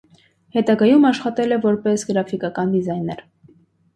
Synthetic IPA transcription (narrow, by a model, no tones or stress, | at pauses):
hɛt̪ɑɡɑjumɑʃχɑt̪ɛlɛvɔɾpɛsɡəɾɑfikɑkɑnd̪izɑjnɛɾ